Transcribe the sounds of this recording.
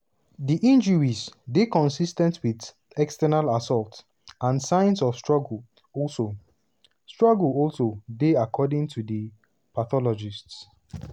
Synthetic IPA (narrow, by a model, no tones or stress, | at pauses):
diʔĩnd͡ʒəɹisdekɔ̃nsistɛ̃ntʰwid | ɛkstɛnalasɔlt | ãnsãɪ̃nsɔfstɹ̥ɔɡl̩ | ɔlso | stɹ̥ɔɡlɔlsodeakʰɔdɪ̃ŋtʰudə | paθɔlɔd͡ʒists